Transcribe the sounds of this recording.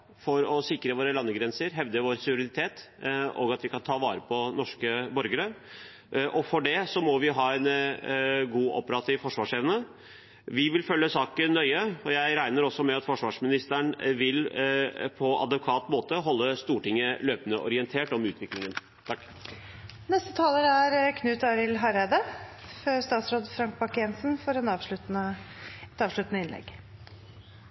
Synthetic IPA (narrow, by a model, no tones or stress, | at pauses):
fɔɾɔsɪkɾəʋoːɾəlɑnːəɡɾɛnsəɾɦɛʋd̪əʋoːɾsʊɾɪd̪ɪt̪ʰeːt̪ | o̰ːɡɑt̪ʋɪkɑnt̪ʰɑːʋɑːɾəpʰɔnɔʂkəbɔɾɡəɾə | ʔɔfɔɖɛsɔmɔʋɪɦɑːɛn | ɡuːʔɔ̰pəɾɑt̪ʰɪʋfɔʂʋɑːʂɛːʋənə | ʋɪʋɪlfœlːəsɑːkənːœʏəɔjæɪɾæɪnəɾɔsːɔmɛɑt̪fɔʂʋɑːʂmɪnɪst̪əɳʋɪl | pʰɔɑ̰d̪ɛkʰʋɑːt̪moːt̪əɦɔlːəst̪uːʈɪŋːəløːpənəʔɔ̰ɾɪənt̪ʰeːʈɔmʉːt̪ʋɪklɪŋən | t̪ʰɑkː | nɛst̪ət̪ʰɑːləɾæɾkʰnʉːt̪ɑɾɪlɦɑɾed̪əføst̪ɑːt̪sɾoːd̪fɾɑŋk̚bɑkɛnsnfɔɾɛnɑːʋʂɭʉt̪nəɛt̪ɑːʋʂɭʉt̪nəɪnlɛ̰ɡ